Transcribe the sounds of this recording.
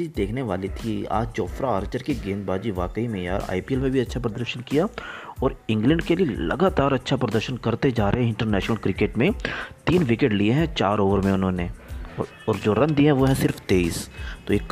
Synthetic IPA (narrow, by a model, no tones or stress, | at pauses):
iːzd̪eːkʰneʋaːlit̪ʰia̰ːd͡ʒd͡ʒɔːfɾaaːɾt͡ʃəɾkeɡẽːnd̪baːd͡ʒiʋaːkəimẽja̰ːɾa̰ːipielmẽbʱiɐtːʃʰapɾɐd̪əɾʃənkijaɔːɾɪ̃ŋɡlə̃ɳɖkelielɐ̰ɡaːt̪aːɾɐtːʃʰapɾɐd̪əɾʃənkɐɾt̪ed͡ʒaːɾeɦɛ̃ɪ̃ɳʈəɾnɛːʃnəlkɾɪkeːʈmẽt̪iːnʋɪkeʈlieɦɛ̃t͡ʃaːɾoːʋəɾmẽʊnɦõːne | ɔːɾd͡ʒoːɾɐ̃nd̪iɦɛ̃ʋoːɦɛ̃sɪɾft̪eːiːst̪oeːk